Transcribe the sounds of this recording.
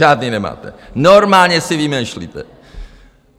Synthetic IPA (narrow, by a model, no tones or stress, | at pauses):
ad̪ninɐma̰t̪ɐ̰noɾmaɲɐsevimɐ̃ʃlˠḭt̪ɐ̰